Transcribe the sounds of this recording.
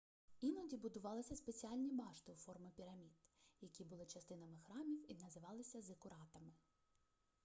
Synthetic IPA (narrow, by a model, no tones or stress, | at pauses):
inɔdʲibʊd̪ʊʋɑlˠɪsʲɐspet͡sʲiɑlʲnʲibɑʃt̪ɪufɔrmɪpʲiɾɐmʲid̪jɐkʲibʊlˠɪt͡ʃɐst̪ɪnɐmɪxɾɑmʲiwinɐzɪʋɑlˠɪsʲɐzekʊɾɑt̪ɐmɪ